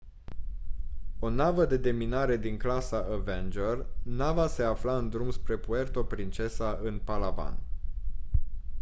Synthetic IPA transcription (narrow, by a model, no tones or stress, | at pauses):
o̞navəd̪e̞d̪e̞minaɾe̞d̪iŋklasaʔəvend͡ʒərnavase̞aflaɨnd̪ɾumspɾe̞pue̞rt̪o̞pɾint͡ʃe̞saʔɨnpalava̰n